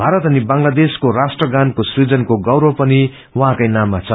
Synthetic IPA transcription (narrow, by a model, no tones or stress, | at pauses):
bʱaɾʌt̪ʌnibãŋlad̪eskoɾasʈrʌɡankosrid͡zʌnkoɡʌwɾopʌni | wʌɦãkajnamːat͡sʰʌ